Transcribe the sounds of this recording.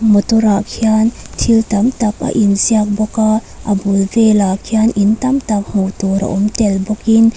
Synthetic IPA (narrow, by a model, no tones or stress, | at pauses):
mɔt̪uɾakʰiant̪ʰilt̪ɐmt̪ɐk̚a̰ʔinziak̚bɔka | ʔɐbulvelakʰianʔint̪ɐmt̪ɐk̚m̥ut̪uɾɐ̰ʔɔmtɛlbɔkin